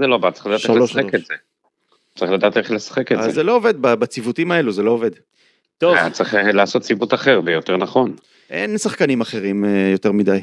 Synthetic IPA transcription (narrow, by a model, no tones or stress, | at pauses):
zelobatt͡sːʁiχlad̪aːʃtealeoʃsekez̥e | t͡sʁiχlad̪aːt̪eχlesḁχekezezelo̞ove̞d̪̚babat͡sivut̪imae̞luzelo̞ove̞d̪ | t̪o̞vt͡sʁiχelaːso̞t̚t͡sibut̪aχe̞ʁbejot̪eʁnaχo̞n | ʔe̞̰nsaχkanimaχe̞ʁimjo̞te̞ʁmid̪aj